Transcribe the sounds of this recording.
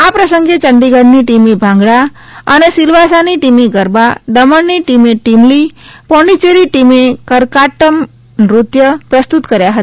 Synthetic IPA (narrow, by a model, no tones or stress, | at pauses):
apɾəsəŋɡet͡ʃəɳɖiɡəɽniʈimibʱãŋɡɭa | ənesilʋasaniʈimiɡəɾbaɖəməɳːiʈimeʈimlipɔ̃ɳɖit͡ʃeɾiʈimekəɾkaʈəm | ɾut̪jəpɾəst̪ut̪kəɾjaɦət̪ḁ